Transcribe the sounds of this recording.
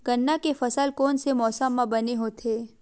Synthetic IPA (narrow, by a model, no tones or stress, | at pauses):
ɡ̥ənːakefɐsəlkoːnsemɔːsəmːãbɐneɦoːt̪ʰeː